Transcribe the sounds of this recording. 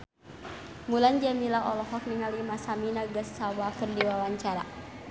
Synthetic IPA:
mulaɲd͡ʒamilaɔlɔɦɔk̚niŋalimasaminaɡasːawakərdiwawaɲt͡ʃaɾa

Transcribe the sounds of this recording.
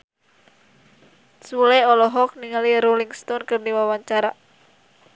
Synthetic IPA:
suleɔlɔɦɔk̚niŋaliɾoliŋst̪ɔnkɨrniwawaɲt͡ʃaɾa

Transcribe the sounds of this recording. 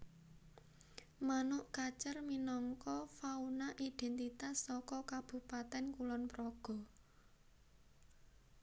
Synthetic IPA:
manʊʔkat͡ʃərminɔŋkɔfaunaʔid̪̥ɛnt̪it̪asːɔkɔkab̥ṳpat̪ɛnkulɔnpɾɔɡ̥ɔ̤

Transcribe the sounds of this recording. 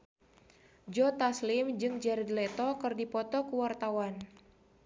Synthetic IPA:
d͡ʒɔt̪aslɪmd͡ʒɨŋd͡ʒɛɾd̪lɛt̪ɔkɨrdipɔt̪ɔkuwart̪awan

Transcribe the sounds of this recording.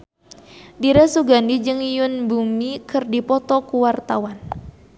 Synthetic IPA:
diɾasuɡandid͡ʒɨŋijʊnbuŋikɨrdipɔt̪ɔkuwart̪awan

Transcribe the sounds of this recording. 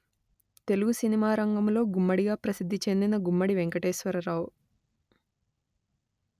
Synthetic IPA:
t̪e̞luɡusinimaːɾɐŋɡɐmlo̞ːɡumːɐɽiɡaːpɾɐsid̪ʱːit͡ʃe̞nd̪inɐɡumːɐɽiʋeŋkɐʈeːsʋɐɾɐɾaːwu

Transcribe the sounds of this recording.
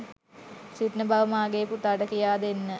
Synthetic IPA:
sit̪nəbʱaʋɐmaːɡejːput̪aɖəkijaːd̪enːə

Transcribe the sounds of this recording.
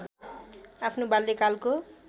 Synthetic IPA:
apʰnobalːekalko

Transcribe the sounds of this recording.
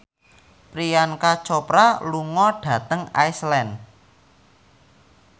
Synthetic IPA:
pɾijankat͡ʃɔpɾaluŋɔɖ̥ä̤t̪əŋa̰jslɛn

